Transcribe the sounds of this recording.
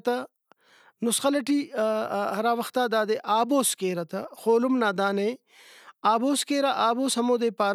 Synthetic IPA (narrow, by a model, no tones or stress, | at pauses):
t̪ɐ | nʊsqɐlɐʈi | hɐɾaʋɐxt̪aːd̪aːd̪eʔaːboːskeːɾɐt̪ɐxoːlumnaːd̪aːne | aːboːskeːɾaʔaːboːsɐmoːd̪eːpaːɾ